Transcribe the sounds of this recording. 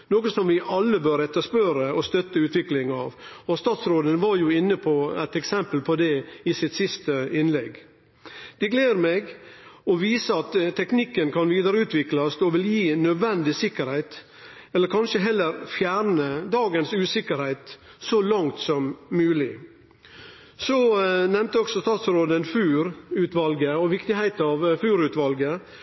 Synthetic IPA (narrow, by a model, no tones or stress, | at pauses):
noːɡəsɔmʋɪʔɑlːəbøːɾɛt̪ːəspøɾəɔst̪œt̪ːəʉːt̪ʋɪklɪŋɑʋɔst̪ɑːt̪sɾoːd̪ənʋɑɾjʊɪnːəpʰɔæ̰ɪt̪ɛksɛmpəlpʰɔd̪ɛɪsɪt̪sɪst̪əɪnlɛɡ | d̪̥ɛɡlæɾmɛɡɔʋiːsəɑt̪t̪ʰːɛknɪkːənkʰɑnʋiːd̪əɾəʉːt̪ʰʋɪklɑsd̪ɔʋɪljiːnœd̪ʋɛnd̪ɪsɪkːəɾhæɪt̪ | ɛlːəɾkʰɑnʃəɦɛlːəɾfjæːɾɳəd̪ɑːɡənsʉːsɪkəɾhæɪt̪ | sɔlɑŋt̪sɔmːʉːlɪ | sɔnɛmt̪əɔksɔst̪ɑːt̪sɾoːd̪əɛnfʉːɾʉːt̪ʋɑlɡəɔʋɪkt̪ɪhæɪt̪ɑʋfʉːɾʉːt̪ʋɑlɡə